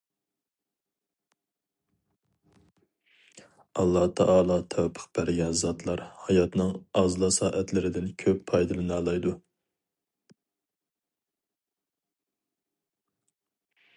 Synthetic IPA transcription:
ɑlˠːɑt̪ʰɑʔɑːlˠɑːt̪ʰɛwpʰə̥q̚b̥æɾɡʲɛnzɑt̪ʰlˠɑɾhɑjɑt̪nɨŋɑzlˠɑsɑːʔɛt̪lɪɾɪd̪ɪnkʲʰøpːʰɑjd̪ɨlɨnɑːlˠɑjd̪u

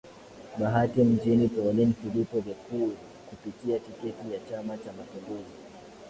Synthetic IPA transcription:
ɓaɦatim̩d͡ʒinipɔlinfilipɔvakuː | kupitiatikɛtijat͡ʃamat͡ʃamapiŋɡuzi

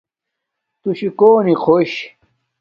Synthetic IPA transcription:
t̪uɕikoːniqʰoɕ

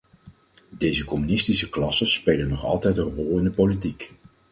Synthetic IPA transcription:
dejzəkɔmynɪstisəklɑsəspejlənɔχɑ̰lˠtɛjtə̃nrɔlˠɪndəpolitik

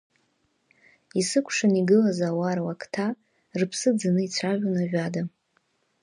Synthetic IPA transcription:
isɨkʷʰʂaniɡɨlazawaɾwakʰtʰa | rpʰsɨd͡zanɨit͡sʷʰaʒᶣʷanaʒʷᶣada

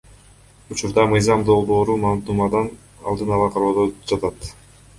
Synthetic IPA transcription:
ut͡ʃuɾd̪ɑmɯjzɑmd̪o̞lˠbo̞ːɾumɑnumɑd̪ɑn | ɑ̰lˠd̪ɯnɑlˠɑqʰɑɾod̪od͡ʒɑt̪ɑt̪

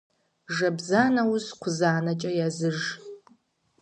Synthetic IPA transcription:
ʐɐbzaːnɐwʊzqʷʊzaːnɐt͡ʃʼɐjazɨʒ

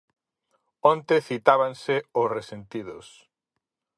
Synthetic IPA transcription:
õnt̪eθit̪aβanseʊsresent̪iðʊs

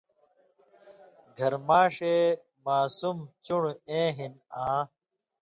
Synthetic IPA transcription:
ɡʱɐɾmaːʂeː | maːsumt͡ɕuɽẽːɦinãː

